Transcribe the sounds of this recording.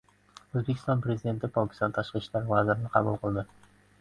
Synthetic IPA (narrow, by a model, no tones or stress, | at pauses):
ɵzbekʲʰɪst̪ɒnpɾe̞zid̪e̞nt̪ʰɪpʰɒkʲɪ̥st̪ɒnt̪ʰaʃqɨʃlaɾvazɪɾɪnɪqʰɑbulˠqʰɨlˠd̪ɪ